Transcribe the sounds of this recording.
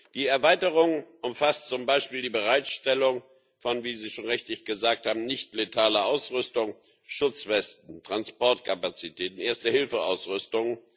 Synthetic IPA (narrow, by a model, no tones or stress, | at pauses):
d̥iːɛɐvaɪtəʁʊŋʔʊmfastt͡sʊmbaɪʃpiːldiːbəʁaɪtʃtɛlʊŋ | fɔnviːziːʃoːnʁɛçtlɪçɡ̥əzaːk̚thaːbm̩nɪçtletʰaːləʔaʊsʁʏstʊŋ | ʃʊt͡sv̥ɛstn̩tʁ̥anspɔɐtkʰapat͡sitʰɛːtn̩ʔeːɐstəhɪlfəʔa̰ʊsʁʏstʊŋən